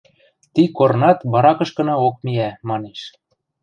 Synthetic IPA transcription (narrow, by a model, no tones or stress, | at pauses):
t̪ikoɾnɑt̪βɑɾɑkɤ̆ʃkɤ̆nɑok̚miæmɑneʃ